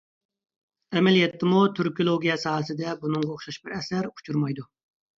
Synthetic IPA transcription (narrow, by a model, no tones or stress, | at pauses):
ɛmɛlijɛt̪ʰːɪmut̪ʰyɾkijolˠoɡʲijɛsɑːɦəsɨd̪ɛbunɨŋʁɑoχʃɑʃbɪɾɛsæɾu̥t͡ʃʰuɾmɑjd̪u